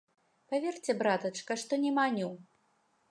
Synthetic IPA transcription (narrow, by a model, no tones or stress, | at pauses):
pavʲert͡sʲɛbɾat̪ɐt͡ʂkɐʂt̪ɔnʲɛmanʲu